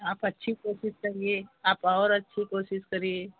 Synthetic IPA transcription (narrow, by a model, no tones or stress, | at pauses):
aːpɐtːʃʰikoːsɪskɐɾieaːpɔːɾɐtːʃʰikoːsɪskɐɾie